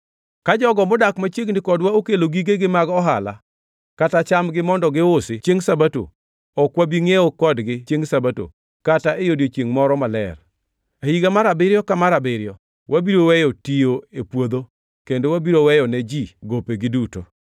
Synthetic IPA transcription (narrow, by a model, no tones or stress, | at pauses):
kad͡ʒɔɡɔmʊdakmat͡ʃjeɡnɪkɔdwaokeloɡiɡeɡɪmaɡɔɦala̰ | katat͡ʃamɡɪmɔndɔɡɪʊsɪt͡ʃjeŋsabato̰ | ɔkwabiŋeokɔdɡɪt͡ʃeŋsabato̰ | kataejodjot͡ʃjeŋmɔɾɔmalɛ̰r | ahiɡamaɾabɪɾjɔkamaɾabɪɾjɔ | wʔabiɾowɛjɔtijoepwod̪o | kendowabiɾowɛjɔnɛd͡ʒiɡopeɡɪduto̰